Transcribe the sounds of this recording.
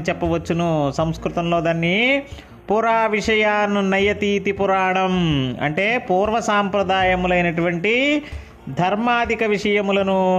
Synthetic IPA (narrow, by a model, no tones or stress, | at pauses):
it͡ʃɛpːɐʋɐt͡ʃːunusɐmskɾut̪ɐmlo̞ːd̪aːnːi | puɾaːʋiʂɐjaːnunɐjɐt̪iːt̪ipuɾaːɳɐmɐ̰ɳʈeːpuːɾʋɐsaːmpɾɐd̪aːjɐmlɐjnɐʈuʋɐɳʈi | d̪ʱɐɾmaːd̪ikɐʋiʂɐjɐmlɐnu